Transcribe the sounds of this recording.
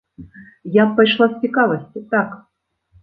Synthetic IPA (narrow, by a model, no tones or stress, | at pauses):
jappːajʂlˠasʲt͡sʲɪkavɐsʲt͡sʲɪt̪ak